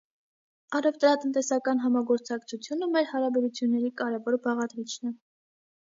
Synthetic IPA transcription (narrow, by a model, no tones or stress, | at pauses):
ɑrɛvt̪ɾɑt̪ənt̪ɛsɑkɑn̪ɦɑmɑɡɔɾt͡sʰɑkt͡sʰut͡sʰjunəmɛɾhɑɾɑbɛɾut͡sʰjunːɛɾikɑɾɛvɔɾbɑʁɑd̪ɾit͡ʃʰnɛ